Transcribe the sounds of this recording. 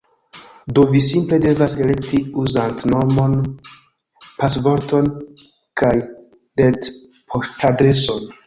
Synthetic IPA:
do̞visimple̞de̞vasele̞ktiuzantnomo̞n | pasbo̞ɾto̞n | kaj | let | pʰoʃtadɾe̞so̞n

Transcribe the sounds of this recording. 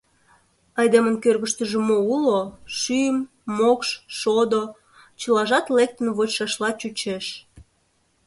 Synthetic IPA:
ɑjd̪emənkørɣəʃt̪əʒəmouloʃyjəmː | okʃʃod̪o | t͡ɕəlɑʒɑt̪lek̚t̪ənβot͡ɕʃɑʃlɑt͡ɕut͡ɕeʃ

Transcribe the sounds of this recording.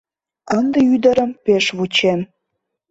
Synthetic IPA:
ənd̪eyd̪ə̆ɾə̆mpeʃβut͡ɕem

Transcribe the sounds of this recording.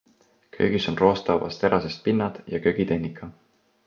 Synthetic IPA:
kʰø̞̰ːɡ̥iso̞nro̞ːst̪ɑwvɑ̰st̪e̞ɾʔɑsest̪̚pinːɑd̪̥jɑkøɡ̥it̪e̞nːikʰːˑɑ

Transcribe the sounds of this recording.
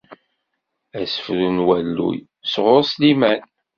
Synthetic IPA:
æsə̥fɾunwælːṵj | sʁʊɾslimæn

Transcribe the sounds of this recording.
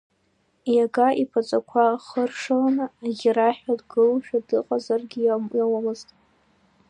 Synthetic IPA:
jaɡaʔipʰat͡sʷʼakʷʰaχərʂɨlanɨaɡʲɪɾaħᶣadɡɨlʃᶣadɨqʼazarɡʲɪjamjawamɨztʼ

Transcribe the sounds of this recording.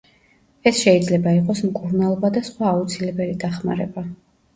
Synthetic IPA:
ɛsʃɛid̪zlɛbaiqʼɔsmkʼuɾnalˠɔbad̪asχwaːut̪sʰilɛbɛlid̪aχma̰ɾɛba

